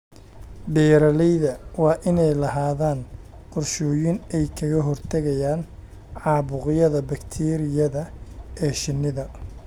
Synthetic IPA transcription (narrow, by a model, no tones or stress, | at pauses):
ɖɛːɾɐlɛjðɐwɑːʔɪnɛjlɐɦaːðaːn | qʊrʃɔːjɪnɛjkʰɐɣɐɦɔrt̪ʰɐɣɐjaːn | ʕɑːβʊqjɐðɐbɐkt̪ʰɛːɾɪjɐðɐɛːʃɪnːɪðɐ